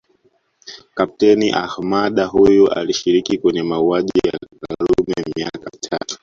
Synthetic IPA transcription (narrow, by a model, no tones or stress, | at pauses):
kap̚tɛniʔahmaɗaɦujuʔa̰liʃiɾikikwɛɲɛmauaʄija̰kaɾumɛmiakamitʰa̰tɔ̥